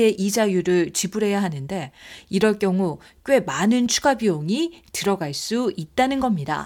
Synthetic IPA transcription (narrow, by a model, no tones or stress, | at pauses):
e̞ʔid͡ʑajuɾɯɭt͡ɕibuɾe̞jaɦanɯnde̞iɾʌɭk͈jʌŋu | k͈we̞manɯnt͡ɕʰuɡabioŋitɯɾʌɡaɭs͈uit̚t͈anɯnɡʌmɲida̰